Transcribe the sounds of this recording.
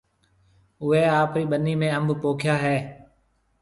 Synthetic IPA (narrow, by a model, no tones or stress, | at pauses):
ʊʋeːaːpɾiːɓənːiːmẽːəmbʱpoːkʰjaːɦɛː